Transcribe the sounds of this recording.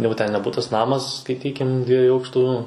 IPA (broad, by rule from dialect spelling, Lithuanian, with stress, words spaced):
ˈjɛʊ tʲɛn nʲɛ ˈbʊtɐs ˈnɑːmɐs skɐɪˈtʲiːkʲɪm ˈdʲʋʲiɛjuː ˈɐʊkʃtuː